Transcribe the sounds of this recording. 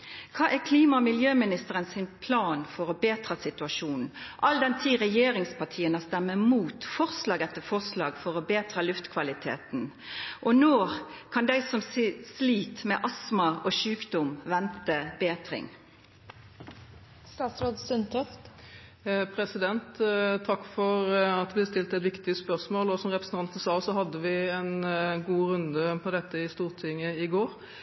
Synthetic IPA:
kʰɑːʔækʰliːmɑmɪljøːmɪnɪst̪əʁənsɪnpʰlɑːnfɔʁɔbeːt̪ɾɑsɪt̪ʉɑʃuːnn̩ʔɑld̪ɛnt̪ʰiːʁɛjeːɾɪŋspʰɑʁʈʰiːənəst̪ɛmːəmuːt̪fɔʁslɑːɡɛt̪ːəfɔʁslɑːɡfɔʁɔbeːt̪ʁɑlʉft̪kʰʋɑlɪt̪ʰḛːt̪n | ʔɔnoː | kʰɑnd̪æɪsɔmssliːt̪mɛʔɑsmɑʔoʃʉːkd̪ʊmʋɛnt̪əbeːt̪ɾɪ̰ŋ | st̪ɑːt̪sɾoːd̪sʉnt̪ʰœft̪ | pʰɾɛsɪd̪ɛnt̪t̪ʰːɑkːfɔʁɑt̪ʋɪst̪ɪlt̪ɛt̪ʋɪkt̪ɪspœʁsmoːlɔsɔmʁɛpɾəsn̩ɑnt̪n̩sɑːsɔhɑd̪ːəʋɪɛnɡuːɾʉnd̪əpʰɔd̪ɛt̪ːəɪst̪uːʁt̪ʰɪŋːəɪɡoːɾ

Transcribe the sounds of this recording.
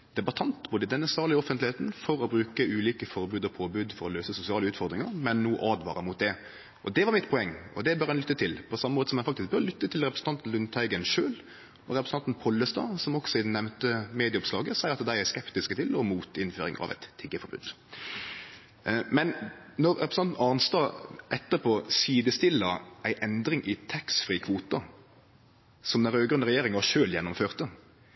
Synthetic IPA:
d̪̥ɛbɑt̪ʰɑnt̪boːd̪əd̪ɛnːəsɑːʁlɪəɔfənlɪeːt̪nfɔɾɔbɾʉːkəʉːliːkəfɔɾbʉːd̪ɔpʰoːbʉːd̪fɔɾɔløːsəsʊsɪɑːləʉːt̪fɔɾd̪ɾɪŋəɾmɛnːuːʔɑːd̪ʋɑ̰ːɾəmʊt̪̚d̪ɛ | ʔɔd̪ɛʋɑʁɾmɪt̪pʰʊɛŋːɔ̰d̪ɛbœɾɛnlʏt̪ːət̪ʰɪlpʰɔsɑmːəmoːt̪ə̥sɔmːjɛnfɑkt̪ɪsk̚bœɾlʏt̪ːət̪ʰɪlʁɛpɾəsn̩t̪ɑnt̪n̩lʉnt̪ʰɑɪɡənʂøːl | ɔɾɛpɾsɑnt̪npʰɔlːəst̪ɑ̰ːsɔmɔksɔɪd̪ɛnɛʋnt̪əmeːd̪ɪəʊpslɑːɡəsæɪəɾɑt̪d̪æɪæskɛpt̪ɪskət̪ʰɪlɔmuːt̪ɪnføːɾɪ̰ŋɑ̰ʋɛ̰t̪ʰːɪɡːəfɔɾbʉ̰ːd̪ | mɛn | nɔɾɾɛpɾsɑnt̪n̩ʔɑnst̪ɑʔɛt̪ːəɾpʰoːsiːd̪əst̪ɪlːɑʔæɪʔɛnd̪ɾɪŋʔɪt̪ʰɛksfɾiːkʰʋuːt̪ɑ | sɔmd̪ɛɾøːɡɾʉnːəʁɛjeːɾɪŋʋɑʃøːljɛnːɔmføːʁt̪ə

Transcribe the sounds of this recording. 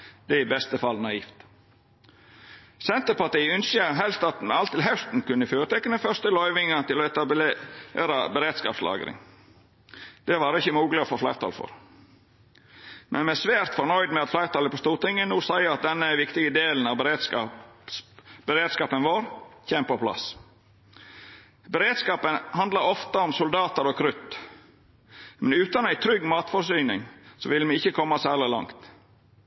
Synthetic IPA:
d̪̥ɛɪbɛst̪əfɑlnɑiːft̪ | sɛnt̪əɾpɑʈ̪iːʉnsɪəɦɛlst̪ɑt̪mɛɑlt̪ːɪlɦɛst̪n̩kʉnːəfjøːɾət̪ɛkːənəfœɾst̪əlɔʏʋɪŋət̪ɪlɔɛt̪ɑ | eːɾɑbəɾeːd̪skɑ̰ːpslɑ̰ːɡə̰ɾɪ̰ŋ | d̪̥ɛʋɑːɾɪçəmuːɡlɪɔfoːflæɪɾt̪ʰɑ̰lfɔ̰ɾ | mʔɛnmɛsʋæːɾt̪fɔɾɳœʏd̪mɛɑt̪flæɪɾt̪ɑːləpɔst̪uːɾt̪ɪŋːənuːsæɪəɾɑt̪̚d̪ɛnːəʋɪkt̪ɪɡəd̪eːln̩ɑʋbəɾeːd̪sɑsbəɾeːd̪skɑːpənʋoːɾçɛmpɔpʰlɑ̰s | bəɾeːd̪skɑːpənhɑnd̪lɑɾɔft̪əɔmsʊld̪ɑːt̪əɾɔkʰɾʉt̪ | mɛnʉːt̪ɑnæɪt̪ʰɾʏɡːmɑːt̪fɔsyːnɪŋsɔ̰ʋɪlmɪɪçəkʰɔmːɑsæːlɪlɑ̰ŋt̪

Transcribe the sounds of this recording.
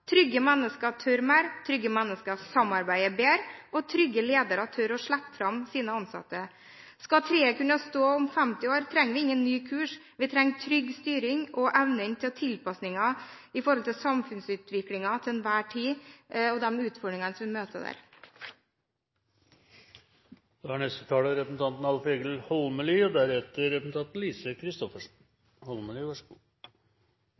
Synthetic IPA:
t̪ʰɾʏɡːəmɛnːəskət̪ʰœɾmæɾt̪ʰɾʏɡəmɛnːəskəsɑmɑɾbæɪəbeːɾɔt̪ʰɾʏɡːəleːd̪əɾɑt̪ʰœɾɔʂɭæpːfɾɑmsiːnəɑnsɑ̰t̪ːə | skɑt̪ʰɾeːəkʉnɑst̪oːʊmfɛmt̪ɪoːɾt̪ʰɾɛŋːʋɪɪŋːənnyːkʰʉːʂ | ʋɪt̪ʰɾɛŋːt̪ʰɾʏɡst̪yːɾɪŋɔʔæʋnənt̪ʰɪlt̪ʰɪlpɑsnɪŋɑ | ɪfɔɾhɔlt̪ʰɪlsɑmfʉnsʉːt̪ʋɪklɪŋɑt̪ʰɪɛnʋæːʈʰiːɔd̪ɛmʉːt̪fɔɖɾɪŋɑnsɔmʋɪmøːt̪əd̪æ̰ːɾ | d̪̥ɑhæɳɛst̪ət̪ʰɑːləɾɛpəsn̩t̪ʰɑnt̪n̩ɑlfeːɡəlhɔlməlyːɔd̪æɾɛt̪əɾɾɛpsn̩t̪ʰɑnt̪n̩liːsəkʰɾɪst̪ɔfəʂn | hɔlməlyːʋɑʂəɡuː

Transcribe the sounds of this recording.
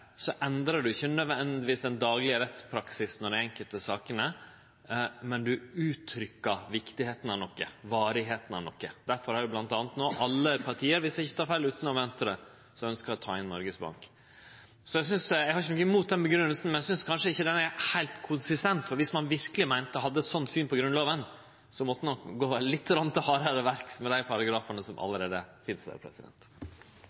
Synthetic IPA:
sɔʔɛnd̪ɾɑɖʉɪçːənœd̪ʋɛnd̪d̪ɪʋiːsd̪ɛnd̪ɑːɡlɪəɾɛt̪spʰɾɑksɪsnɔɖɛɛŋkəlt̪əsɑːkənə | mɛnd̪ʉʉːt̪ʰɾʏkːəɾʋɪkt̪ɪheːt̪ən̩ɑʋnɔkːəʋɑːɾɪɦeːt̪ənɑ̰nɔkːəd̪̥æɾfɔɾhɑɾjʉblɑnt̪ɑːnət̪noːʔɑlːəpʰɑɾʈ̪ʰiːəɾʋɪsɪçːə̥t̪ʰɑːɾfælːʉːt̪nɑʋɛnst̪ɾə | sɔœnskəɾɔt̪ʰɑ̰ːɪnnɔɾɡəsbɑ̰ŋk | sɔjæɪsʏnsjæɪɡhɑɾɪçənɔkːəmuːt̪̚d̪ɛnbəɡɾʉnːəlsn̩mɛnæsʏnskʰɑnʂəɪçːəd̪ɛnæɾhæɪlt̪kʰʊnsɪst̪ɛnt̪fɔɾʋɪsmɑnʋɪɾkəlɪmæɪnt̪əɦɑd̪ːəsɔnːfyːnpʰɔɡɾʉnloːʋən | sɔmɔt̪ːənɔkɡoːlɪt̪ːɾɑnt̪ɪhɑːɾəɾəʋæɾksmɛd̪æɪpʰɑɾɑɡɾɑːfəɳəsɔmʔɑ̰ləɾeːd̪əfɪnsd̪æ̰ɾpʰɾɛ̰sɪd̪ɛ̰nt̪

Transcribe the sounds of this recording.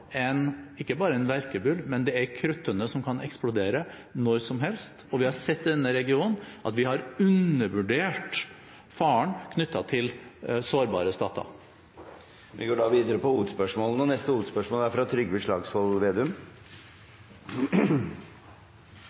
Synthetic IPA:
ɛnɪkːəbɑːɾəɛnʋæɾkəbʉlmɛnd̪ɛæɾkʰɾʉt̪ːənəsɔmkʰɑnɛksplʊd̪eːɾə | nɔɾsɔmɦɛlst̪ɔʋɪhɑɾsɛt̪ːd̪ɛnːəɾɛɡɪuːnnʔɑ̰t̪ʋɪhɑɾʉnəʋʉɖeːʈ | fɑːəɳkʰnʏt̪ːɑt̪ʰɪlsoːɾbɑ̰ːɾəst̪ɑ̰ːt̪ʰɑ̰ | ʋʔɪ̰ɡoːɖɑːʋiːd̪əɾəpʰɔuːət̪spœʂmoːlənɔnɛst̪əuːt̪spœʂmɔːlæɾfɾɑt̪ʰɾʏɡːbɪʂɭɑːɡshɔlʋeːd̪ʉm

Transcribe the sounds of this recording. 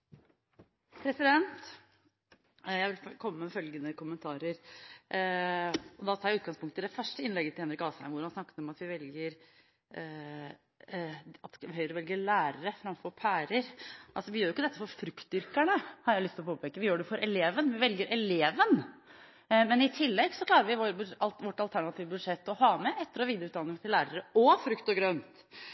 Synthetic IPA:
pʰɾɛsɪd̪ɛnt̪ | jæɪʋɪlfkʰɔmːəmɛfœlɡənəkʊmənt̪ʰɑːɾəɾ | ɔd̪ɑt̪ʰɑːɾjæʉːt̪ɡɑŋspʊŋkt̪əd̪ɛfœʂʈəɪnlɛɡət̪ɪlhɛnɾɪkɑːsæ̰ɪmʋʊɾhɑnsnɑkːə̥t̪ɔmɑt̪ʋɪʋɛlɡəɾ | ɑt̪sɦœʏəɾɔʋɛlɡəɭæːɾəɾəfɾɑmfɔɾpʰæːɾəɾʔɑlsɔʋɪjøːɾjʊɪkːəd̪ɛt̪ːəfɔɾfɾʉkt̪̚d̪ʏɾkæɳəhɑɾjæɪlʏst̪ɪlɔpoːpʰɛːkəʋɪjøːɖɛfɔɾʔɛleːʋənʋɪʋɛlɡəɾʔɛleːʋən | mɛnɪt̪ʰɪlːɛɡsɔkʰlɑːɾəɾʋɪʋb̪ʋɔʈːɑlt̪ʰæɳɑt̪iːʋəbʉd̪ʂɛt̪ːɔhɑːmɛʔɛt̪ːəɾɔʋiːd̪ɾʉːt̪d̪ɑnɪŋt̪ʰɪllæːɾəɾəɔfɾʉkt̪ɔɡɾœnt̪

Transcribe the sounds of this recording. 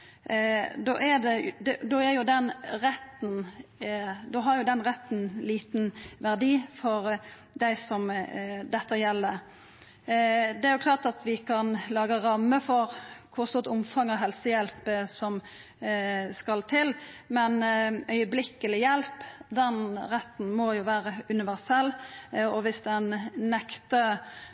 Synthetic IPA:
d̪o̰ːʔæd̪ɛd̪ɛd̪oːæɾjʊd̪ɛnɾɛt̪ːn | d̪oːɦɑɾjʊd̪ɛnʁɛt̪ːn̩liːt̪n̩ʋæʁd̪iːfɔɾ | d̪æɪsɔmd̪ɛt̪ːəjɛlːə | d̪ɛæɾjʊklɑːʁʈ̪ɑt̪ʋɪkʰɑnlɑːɡəɾɑmːəfɔɾkʰʊst̪oːt̪ʊmfɑŋːɔɦɛlsəjɛlpsɔm | skɑlt̪ʰɪlmɛnœʏəblɪkːəlɪjɛlpd̪ɛnɾɛt̪ːn̩mɔjʊʋæːɾəʉnɪʋæʁsɛlːɔʋɪsd̪ɛnnɛkt̪ə

